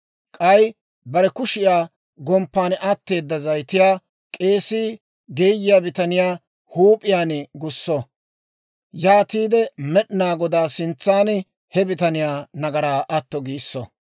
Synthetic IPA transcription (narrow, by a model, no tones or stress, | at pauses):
kʼɐj | bɐɾɛkʊʃɪjaː | ɡɔmpːaːnʔat̪ːe̞ːd̪ːɐzɐjt̪ɪjaː | kʼe̞ːsiː | ɡeːjːɪjaːbɪt̪ɐnɪjaː | huːpʼɪjaːnɡʊsːɔ | jaːt̪iːd̪ɛmɛɗnaːɡɔd̪aːsɪnt͡sːaːn | hɛbɪt̪ɐnɪjaːnɐɡɐɾaːʔɐt̪ːɔɡiːsːɔ̰